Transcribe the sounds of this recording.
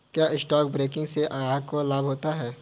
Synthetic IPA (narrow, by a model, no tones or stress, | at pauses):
kjaːɪsʈɔːkbɾeːkɪ̃ŋɡseʔaːkolaːbʱɦoːt̪aɦɛː